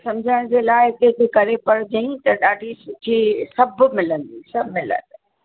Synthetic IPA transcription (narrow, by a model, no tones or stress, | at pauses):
sɐmd͡ʑʱaɽ̃d͡ʑeːlaːɪt̪ek̪ʰekɐɾepɐɽd͡ʑɐ̃ĩt̪ɐɗaːɖʱisʊtʰisɐbmɪlə̃nd̪isɐbmɪlə̰d̪